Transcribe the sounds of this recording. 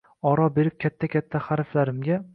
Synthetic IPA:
ɒɾɒbe̞ɾɪp̚kʲʰat̪ʰːakʲʰat̪ʰːaχaɾflaɾɪmɡʲa

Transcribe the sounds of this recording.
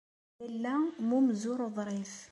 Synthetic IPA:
əlːæmumzʊɾˤəðˤɾˤɪθ

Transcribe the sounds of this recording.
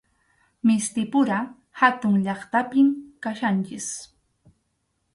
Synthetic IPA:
mɪst̪ɪpʊɾa | hat̪ʊŋʎɑχt̪apɪmkaʃant͡ʃɪs

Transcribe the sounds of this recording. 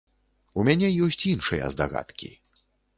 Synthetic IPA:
umʲanʲɛjɔsʲt͡sʲinʂɨjɛ̰zd̪a̰ɣa̰t̪kʲḭ

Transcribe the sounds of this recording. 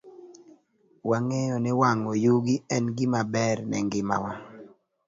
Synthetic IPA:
waŋejɔnɪwaŋɔjuɡiɛnɡimabɛrnɛ̰ŋɡɪma̰wa

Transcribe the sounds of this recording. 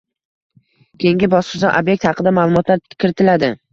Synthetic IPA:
kʲʰejɪŋɡʲɪbɒsqʰɨzaʔabjek̚t̪hɑqʰɨd̪amaːlˠʊmɒt̪ʰlaɾkʲʰɪɾɪt̪ʰɪlad̪ɪ

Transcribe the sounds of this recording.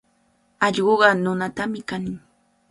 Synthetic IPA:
ɑʎɢoɢɑnʊnat̪amɪkanɪŋ

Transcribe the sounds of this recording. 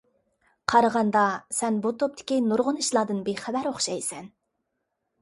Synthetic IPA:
qʰɑɾəʁɑnd̪ɑsɛnbut̪ʰop̚t̪ʰɪ̥kʲinuɾʁʊniʃlˠɑd̪ɨnbeχæbæɾoχʃɑjsɛn

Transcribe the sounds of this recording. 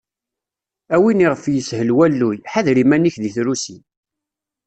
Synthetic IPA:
æwiniʁəfjəshəlwælːujħaðɾimæniçðiθɾusi

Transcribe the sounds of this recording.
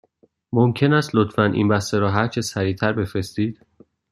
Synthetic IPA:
momcʰe̞næːst̪lot̪fænʔḭnbæst̪eɾɒːɦæɾt͡ʃʰesæɾiːt̪ʰæɾbe̞fɾe̞st̪iːd̪̥

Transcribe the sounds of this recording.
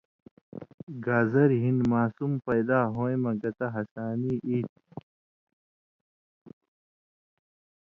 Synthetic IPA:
ɡaːzɐɾɦinmaːsumpɐjd̪aːɦoːemɐɡɐt̪ɐɦɐsaːniːʔiːt̪̚

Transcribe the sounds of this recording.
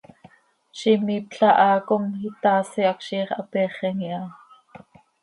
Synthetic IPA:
ʃimiːp̚ɬɑʔɑːkomit̪ɑːsiʔɑkʃiːχɑpɛːχɛŋiʔɑ

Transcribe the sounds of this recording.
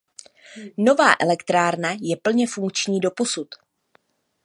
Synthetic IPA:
no̞vaːʔɛlɛkt̪ɾaːɾnajɛpl̩ɲɛfuŋkt͡ʃɲiːdo̞po̞sut̪

